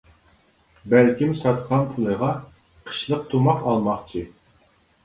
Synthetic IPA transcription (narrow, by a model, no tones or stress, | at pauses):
bælkʲimsɑt̪qʰɑnpʰulˠəʁɑ | qʰə̥ʃlˠəq̚t̪ʰumɑqɑlˠmɑχt͡ʃʰi